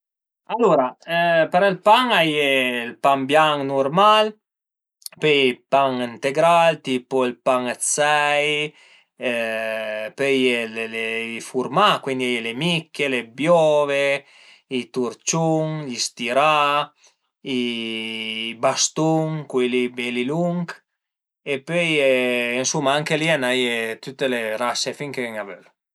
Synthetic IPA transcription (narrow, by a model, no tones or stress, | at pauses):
alːoːɾapeɾilpaŋajelpambjaŋnurmal | pøipaŋint̪eɡɾalt̪iːpoilpaŋt̪sɛj | pøjeleleifurmakwind̪iajelemikʰːelebjɔve | it̪uɾt͡ʃuŋʎist̪iɾa | i | bast̪uŋkilibeliluŋk | epøjeinsumːaaŋkelianajet̪ut̪ːeleɾasefiŋkeŋavøl